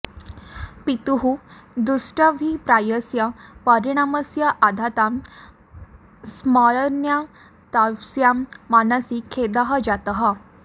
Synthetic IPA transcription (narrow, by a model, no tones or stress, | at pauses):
pit̪uɦud̪usʈəʋʱipɾajəsjapəɾiɽ̃aməsjaʔad̪ʱat̪am | smɔɾəɾnja | t̪awsjamːanəsikʰːed̪aɦad͡ʑat̪əɦa